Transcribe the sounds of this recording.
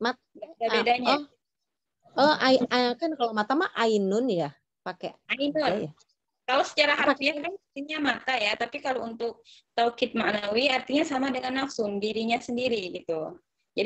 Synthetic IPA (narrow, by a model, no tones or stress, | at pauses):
mat̪ | ɡadabedaɲaɔ | əaiakankalomat̪amaʔainʊnja | pakeainʊnja | kalosə̥t͡ʃaɾaɦap̪iankant̪iɲamat̪ajat̪apikalount̪ʊk̚t̪awkɪt̪̚maʔnawiart̪iɲasamadəŋanːafsʊndiɾiɲasəndiɾiɡit̪u | d͡ʒadi